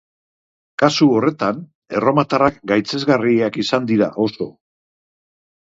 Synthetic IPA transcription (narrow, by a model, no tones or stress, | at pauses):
kasuo̞re̞t̪an | e̞ro̞mat̪arak̚ɡajt͡se̞zɣariakisand̪iɾaʔo̞so̞